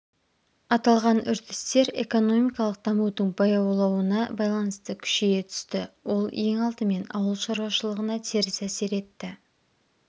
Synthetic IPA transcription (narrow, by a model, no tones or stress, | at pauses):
ɑt̪ɑlˠʁɑnʏɾt̪ɪ̥st̪e̞ɾe̞̰ko̞no̞mijkɑlˠəq̚d̪̥ɑmuwd̪əɴbɑjɑwlˠɑwənɑbɑjlˠɑnəst̪əkʲʰʏ̥ʃejet̪ʰʏ̥st̪ɪwo̞lˠje̞ŋɑlˠt̪əme̞nɑ̰wəlˠʃɑɾwɑʃəlˠəʁənɑt̪ʰeɾɪsæse̞ɾe̞t̪ːɪ